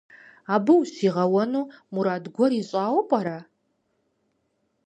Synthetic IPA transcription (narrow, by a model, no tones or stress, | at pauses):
abɨwusiʁawanumuɾadɡʷɔriɕʷʼaːwpʼaɾa